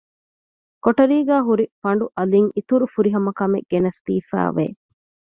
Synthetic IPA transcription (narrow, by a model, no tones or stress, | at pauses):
koʈɐɾiːɡæːɦuɾifɐɳ̆ɖuʔɐliŋit̪uɾufuɾiɦɐmɐkɐmḛɡ̥enɐst̪ḭːfæ̰ːʋḛː